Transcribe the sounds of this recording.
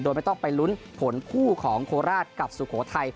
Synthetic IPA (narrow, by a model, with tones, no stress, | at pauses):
doː˧jma˥˩t̪ɔ˥˩ŋpa˧jlu˦˥n | pʰo˩˦nkʰuː˥˩kʰɔː˩˦ŋkʰoː˧ɾaː˥˩t̪̚ka˨˩p̚su˨˩kʰoː˩˦t̪ʰa˧j